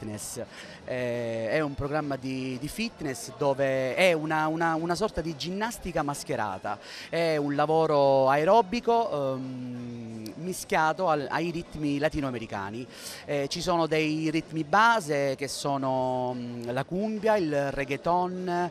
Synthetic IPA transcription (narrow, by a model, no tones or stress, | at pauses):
nɛs | ɛɛumpɾoɡɾamːad̪id̪ifit̪nesd̪ɔːveɛunaunaunasɔrt̪ad̪id͡ʒinːast̪ikamask̟eɾa̰ːt̪a̰ɛunlavɔːɾoaeɾɔːbiko | miskjaːt̪oaa̰jɾit̪ːmilat̪iːnoameɾika̰ːni | ɛt͡ʃisɔːnod̪ɛjɾit̪ːmibaːzek̟esːɔːno | lakumbjailreɡet̪ɔn